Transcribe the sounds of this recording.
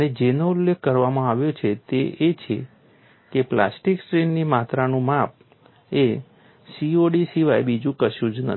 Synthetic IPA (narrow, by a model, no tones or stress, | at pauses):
əned͡ʒenoʊlːekʰːəɾʋamãaʋjot͡ʃʰet̪eʔet͡ʃʰḛ | kepla̰sʈiksʈɾenːimat̪ɾanũmap̚ | e | sioɖisiʋajbid͡ʒũkəʃjũd͡ʒnə̰